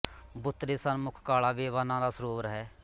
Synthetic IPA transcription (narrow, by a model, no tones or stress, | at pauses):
bʊt̪ːɾeːsənmʊkʰkaːɭaːbeːʋaːnãːd̪aːsəɾoːʋɾɦɛː